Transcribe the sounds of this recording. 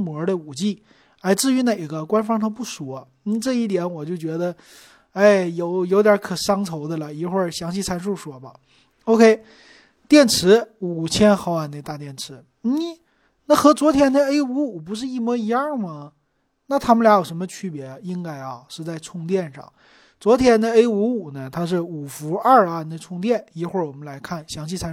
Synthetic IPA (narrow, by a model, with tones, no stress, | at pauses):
mwɔ˧˥də˧u˨˩t͡ɕi˥˩ | la˧˥ɪt͡sɹ̩˥˩y˧˥ne˨˩ɪɡə˧kwa˥nfɑ˥ŋʂɑ˥ŋpu˥˩ʂu˨˩˦ | n̩˥˩ʈ͡ʂɤ˥˧i˥˩t̪jɛ˧˥nwɔ˨˩t͡ɕjo˥˩ʊt͡ɕɥɛ˧˥d̪ə˧ | a˥˩ɪjo˧˩ʊjo˧˥ʊt̪jə˞˧˥kʰɤ˨˩ʂɑ˥ŋt͡sʰo˧˥ʊd̪ə˧lə˨i˨˧˥xwə˞˥˧˩ɕjɑ˧˥ŋɕi˥˩t͡sʰa˥nʂ̬u˥˩ʂwɔ˧˥bɐ˨˦ | o˥ʊkʰe˥ɪ | t̪jɛ˥˩nʈ͡ʂʰɻ̩˧˥u˨˩t͡ɕʰjɛ˥nxɑ˥˧ʊwa˥˩ne˧˩t̪a˥˧t̪jɛ˥˩nʈ͡ʂʰɻ̩˧˥ | n̩˥˩ | na˥˩xɤ˧˥t͡swɔ˧˥t̪ʰjɛ˧˥nd̪ə˧e˥ɪu˧˥u˨˩p̬u˧˥ʂ̬ɻ̩˥˧i˥˩mwɔ˧˥i˧˥a˞˥˧˩mɐ˨ | na˥˩t̪ʰa˥mə˧la˧˥ɪjo˨˩ʂə˧˥nmə˧t͡ɕʰy˥pjɛ˧˥˧i˥ŋka˥ɪɐ˨˧ʂɻ̩˥˧t͡sa˥˧ɪt͡sʰʊ˥˧ŋt̪jɛ˥˧nʂɑ̰˥˩ŋ | t͡swɔ˧˥t̪ʰjɛ˧˥nd̪ə˧e˥ɪu˧˥u˨˩nə˦t̪ʰa˥ʂ̬ɻ̩˥˩u˨˩fu˧˥ɐ˞˥˧˩ɐ˧˩ne˥˧ɪt͡sʰʊ˥˧ŋt̪̬jɛ˥˩ni˧˥xwə˥˩wɔ˨˩mə˦nla˧˥ɪkʰa˥˩nɕjɑ˧˥ŋɕ̬ʰi˥˩t͡sʰa˧˥